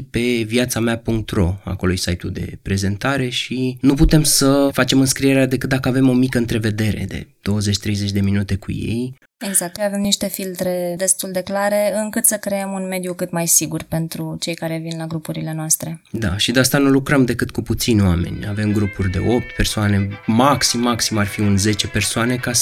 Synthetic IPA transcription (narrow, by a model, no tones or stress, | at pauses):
pe̞vjat̪sameapuŋk̚t̪ro̞̰a̰ko̞lojsajt̪ṵd̪e̞̰pɾe̞ze̞nt̪aɾe̞ʃinup̬ut̪e̞msəfat͡ʃe̞mɨnskɾieɾead̪e̞kɨt̪̚d̪akəave̞mo̞mikəɨnt̪ɾe̞ve̞d̪e̞ɾe̞̰d̪e̞̰d̪̥o̞wəze̞t͡ʃʲt̪ɾe̞jze̞t͡ʃʲd̪e̞minut̪e̞kṵje̞̰j | eɡzak̚t̪ave̞mniʃt̪e̞filt̪ɾe̞d̪e̞st̪uld̪e̞klaɾe̞ɨŋkɨt̪səkɾeemunme̞d̪jukɨt̪majsiɡurpe̞nt̪ɾut͡ʃe̞jkaɾe̞vinlaɡɾupuɾile̞noast̪ɾe̞d̪a̰ʃid̪east̪anulukɾəmd̪e̞kɨt̪̚kuput̪sinʲowa̰me̞̰nʲa̰ve̞mɡɾupurʲd̪e̞̰ʔo̞p̚t̪pe̞rsoane̞maksimːaksimarfiunze̞t͡ʃe̞pe̞rsoane̞kas